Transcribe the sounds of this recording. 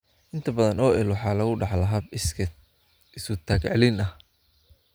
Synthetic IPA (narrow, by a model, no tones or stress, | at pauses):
ʔɪnt̪ʰɐbɐðɐnɔːʔɛlwɑħɑːlɐɣʊɖɑħlɐɦɐbsʰ | ɪsʊt̪ʰaːkʕɛlɪnɐh